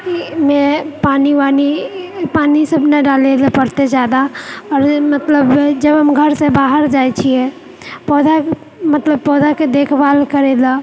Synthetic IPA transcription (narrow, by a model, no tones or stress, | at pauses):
kimẽpaːniʋaːnipaːnisəbnəɖaːlelapəɾt̪ed͡ʒjaːd̪aɔːɾmət̪ləbd͡ʒəbɦəmɡʱəɾsebaːɦəɾd͡ʒaːjt͡ʃʰiɛ | pɔːd͡ʒa | mət̪ləbpɔːd͡ʒaked̪eːkʰbaːlkəɾela